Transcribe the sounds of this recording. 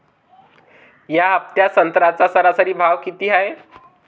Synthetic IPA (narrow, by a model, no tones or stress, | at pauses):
jaəp̚t̪jasənt̪ɾat͡sasəɾasəɾiːbʱaʋkit̪iːɦae